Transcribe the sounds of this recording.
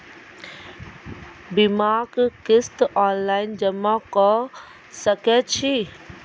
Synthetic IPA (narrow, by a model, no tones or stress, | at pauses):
bimakkist̪ɔnlajnd͡ʒəmakɔ | səkɛt͡ʃi